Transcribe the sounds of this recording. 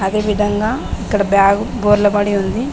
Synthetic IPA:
ɐd̪eːʋid̪ʱɐŋɡɐikːɐɽɐbjaːɡuboːɾlɐbɐɽiond̪i

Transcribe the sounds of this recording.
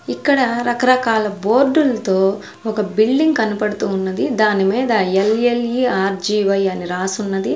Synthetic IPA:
ikːɐɽɐɾɐkɐɾɐkaːlɐboːɾɖulɐt̪oː | ɔkɐbiɭɖiŋɡkɐnupɐɽut̪uːnːɐd̪id̪aːnimiːd̪ɐeleljiaːɾd͡ʒiːʋɐjɐniɾaːsunːɐd̪i

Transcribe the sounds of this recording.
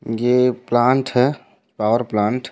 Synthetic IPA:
jeplãːɳʈɦɛ | paːʋəɾplãːɳʈ

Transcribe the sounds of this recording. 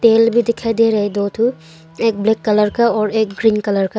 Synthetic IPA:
t̪eːlbʱid̪ɪkʰaed̪eɾɐɦed̪oːt̪ʰu | eːk̚bleːkːɐləɾkaɔːɾeːkɡɾiːnkɐləɾka

